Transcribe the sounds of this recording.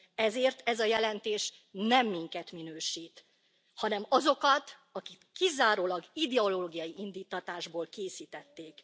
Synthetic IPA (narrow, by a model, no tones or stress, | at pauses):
ɛzeːrt̪ɛzɒjɛlɛnt̪eːʃ | nɛmːiŋkɛt̪minøːʃiːt̪ | hɒnɛmɒzokɒt̪ | ɒkikːizaːɾoːlɒɡid̪ɛoloːɡijɒjiind̪iːt̪ːɒt̪aːʒboːlkeːsiːt̪ɛt̪ːeːk